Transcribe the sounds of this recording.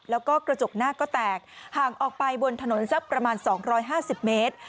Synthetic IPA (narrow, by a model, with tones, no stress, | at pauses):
lɛː˦˥wkɔː˥˩kɾa˧t͡ɕo˨˩k̚naː˥˩kɔː˥˩t̪ɛː˨˩k̚haː˨˩ŋʔɔː˨˩k̚pa˧jbo˧nt̪ʰa˧no˨˩˦nsa˦˥pːɾa˧maː˧nsɔː˩˦ŋɾɔː˦˥jɦaː˥˩si˨˩p̚meː˦˥t̪̚